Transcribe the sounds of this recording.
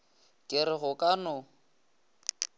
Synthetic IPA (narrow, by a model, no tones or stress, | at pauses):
kʼɪɾɪɣʊkʼanʊ